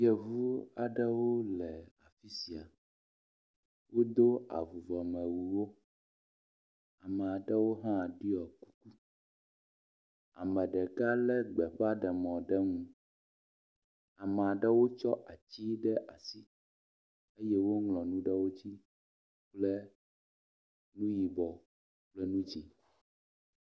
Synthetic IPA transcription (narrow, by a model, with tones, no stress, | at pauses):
jɛ˨vu˦a˨ɖɛ˦wo˦lɛ˨a˨fi˦si˨a˨ | wo˦d̪o˦a̰˨vu˨vɔ˨mɛ˨wu˨wo˦ | a˨mɛ˨a˨ɖɛ˦wo˦ɦã˦˨ɖi˦ɔ˨ku̥˦ku˦ | a̰˨mɛ̃˨ɖɛ˨ɡa˦lɛ˦ɡ͡bɛ˨ɸa˦ɖɛ˨mɔ̃˨ɖɛ˦ŋũ˨ | a˨mɛ˨a˨ɖɛ˦wo˦t͡ʃɔ˦ʔa˨t͡ɕi˦ɖɛ˦ʔa˨si˦ | e˦jɛ˦wo˦ŋlɔ̃˨nũ˦ɖɛ˦wo˦t͡ɕi˦ | k͡plɛ˦ | nũ˦ji˨bɔ˨ | k͡plɛ˦nũ˦d͡ʑi˨